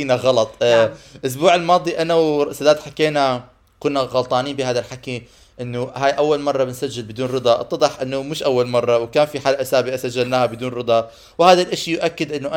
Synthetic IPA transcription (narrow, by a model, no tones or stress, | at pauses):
iːnaɣɑlɑt̪ˤʔʊs̬buːʕɪlmɑːd̪ˤiʔanawsad̪aːt̪ħakeːna | kʊnːaɣɑlt̪ˤɑːniːmbɪhaːðalħaki | ʔɪnːʊhaːjʔawːalmɑrˤːɑbɪnsad͡ʒːɪlbɪd̪uːnɾɨd̪ˤɑʔɑ̰t̪ːɑd̪ˤɑħʔɪnːʊmɪʃʔawːalmɑrˤːɑwkaːnfiħaːlʔasaːbiʔasad͡ʒːalnaːhabɪd̪uːnɾɨd̪ˤɑ | whaːðalʔɪʃjʔakːɪd̪ʔɪnːʊʔa